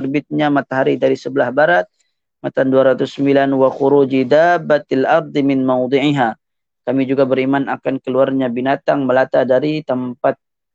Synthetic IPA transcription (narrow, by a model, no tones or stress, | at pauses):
ərbɪt̪̚ɲamat̪aɦaɾidaɾisəbəlahbaɾat̪̚ | mat̪anduaɾat̪usːəmbilanwaxuɾud͡ʒid̪abːat̪alʔɑɾd̪ˤɨmɪnmawd̪ˤiʕiɦa | kamid͡ʒuɡabəɾimanakankəluarɲabinat̪aŋməlat̪adaɾit̪əmpat̪̚